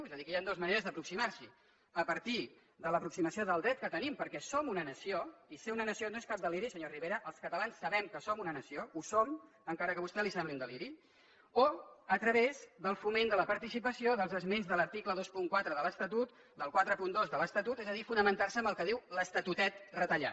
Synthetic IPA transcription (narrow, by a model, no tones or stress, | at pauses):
ezəðikəjand̪ozməneɾəzðəpɾuksimaɾsi | əpəɾt̪i | d̪ələpɾuksiməsioðəlˠd̪ɾɛt̪̚kət̪ənimpəɾkɛsomunənəsioiseunənəsionoeskap̚d̪əliɾisəɲoriβeɾəʔəlˠskət̪əlansːəβɛmkəsomunənəsiousom | əŋkaɾəkəβust̪ɛlisɛmbliund̪əliɾi | oət̪ɾəβezd̪əlˠfumend̪ələpəɾt̪isipəsioðəlˠzəzmenzðələɾt̪ikləðospuŋkwat̪ɾəðələst̪ət̪ut̪̚ | d̪əlˠkwat̪ɾəpund̪ozðələst̪ət̪ut̪ɛzəðifunəmənt̪arsəmbəlˠkəð̞iwləst̪ət̪ut̪ɛt̪rət̪əʎa̰